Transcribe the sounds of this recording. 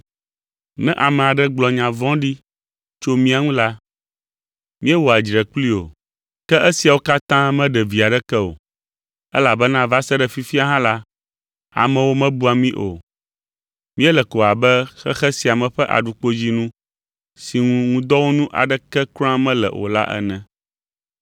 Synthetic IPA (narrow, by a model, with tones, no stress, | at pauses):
nɛ̰̃˦ʔa˨mɛ̃˨a˨ɖɛ˦ɡ͡blɔ˨ɲã˨vɔ̃˦ɖi˦ | t͡ʃo˦mĩ˦a˨ŋũ˦la˦ | mĩ˦ɛ˦wo˨a˨d͡ʒɾɛ˨kli˦o˨ | kɛ˦ʔe˦si˨a˨wo˦ka˦t̪ã˦mɛ̃˦ɖɛ˨vi˨a˨ɖɛ˦kɛ˦o̰˨ | ɛ̰˦la˨bɛ˦nã˦va˦sɛ˦ɖɛ˨fi˦fi˦a˨ɦã˦la˦ | a̰˨mɛ̃˨wo˦mɛ̃˦bu˦a˨mĩ˦ʔo̰˨ | mĩ˦ɛ˦lɛ˨ko˨a˨bɛ˦xɛ̰˦xɛ˦si˨a˨mɛ̃˨ɸɛ˦ʔa̰˨ɖu˨k͡po˦d͡ʑi˦nũ˦ | si˨ŋũ˦ŋũ˦d̪ɔ˦wo˦nũ˦ʔa̰˨ɖɛ˦kɛ˦kɾã˦mɛ̃˦lɛ̰˨ʔo̰˨la̰˦ʔɛ̰˦nɛ̃˨